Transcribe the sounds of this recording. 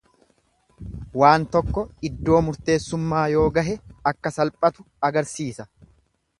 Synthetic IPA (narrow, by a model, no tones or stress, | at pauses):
waːnt̪ɔkːɔɪd̪ːo̞ːmʊɾt̪e̞ːsːʊmːaːjo̞ːɡɐɦɛɐkːɐsɐlpʼɐt̪ʊ | ɐɡɐɾsiːsɐ